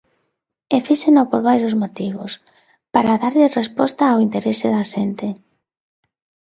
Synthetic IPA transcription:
efisenopoɾβajɾjozmot̪iβ̞o̰s | paɾaðaɾʎɪrespɔst̪aːwint̪eɾeseðaʃent̪e

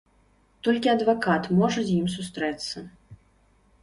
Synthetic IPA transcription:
t̪ɔlʲkʲiɐd̪vakat̪mɔʐɐzʲjims̬ust̪ɾɛt̪sːɐ

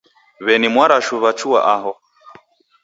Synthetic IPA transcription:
βɛnimwaɾaʃuβat͡ʃua̰ʔaɦɔ

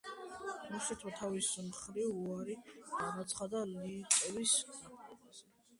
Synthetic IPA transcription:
muʃit̪ʰwat̪ʰavismχɾivuaɾiɡ̥anat̪sʰχad̪aliːt̪ʼɛviskʰaɛa

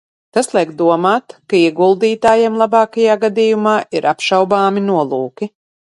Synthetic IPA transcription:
t̪aslˠiɛkd̪uɔmaːt̪kaiɛɡulˠd̪iːt̪aːjeɛmlˠabɑːkajaːɡad̪iːjumaːʔiɾʔapʃawbaːminuɔlˠuːkʲi

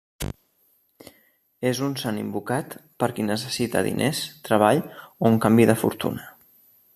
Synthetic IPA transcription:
ezunsanḭmbukat̪pəɾkinəs̬əsit̪ə̰ðḭnʔest̪ɾəβ̞aʎouŋkambiðəfṵɾt̪ṵnə

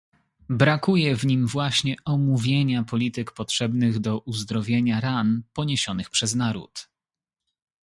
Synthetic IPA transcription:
bɾakujɛvɲimvwaɕɲɛɔmuvʲjeɲapɔlʲit̪ɘkpɔtʂɛbnɘɣd̪ɔʔuzd̪ɾɔvʲjeɲaɾanpɔɲeɕɔnɘxpʂɛznaɾṵt̪

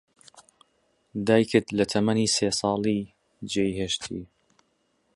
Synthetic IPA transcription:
d̪aːjkʰɨd̪lɐt̪ʰɐmɐniːseːsˤɑːlˠiː | d͡ʒejheːʃt̪ʰḭː

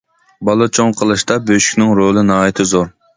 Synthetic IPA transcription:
bɑlˠɨt͡ʃʰoŋqʰəlˠɨʃt̪ɑbøʃy̥kʲnɪŋɾolˠɨnɑːjit̪ʰɪzoɾ

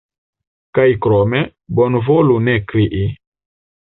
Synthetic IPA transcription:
kajkɾɔmɛ | bɔnvolunɛkɾiʔi

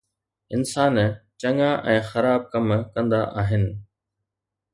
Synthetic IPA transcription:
ɪnsaːnt͡ɕɐŋaʔɛ̃ːxɐɾaːb̚kɐmkɐ̃nd̪aʔaːɦɪnɪ̆

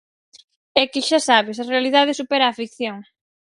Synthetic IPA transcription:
ɛkɪʃasaβ̞ɪsɐrealiðað̞ɪsupɛɾaːfik̚θjoŋ

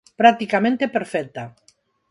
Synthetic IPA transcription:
pɾak̚t̪ikamẽnt̪epeɾfɛk̚t̪a

